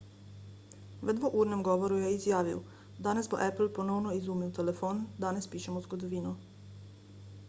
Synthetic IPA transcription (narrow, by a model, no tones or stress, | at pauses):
ʋɛd̪ʋoʔuːɾnemɡoʋoɾujeizjaːʋiw | d̪anesboʔɛpl̩ponownoizuːmiwt̪elefoːnd̪anespiːʃemozɡod̪oʋiːnu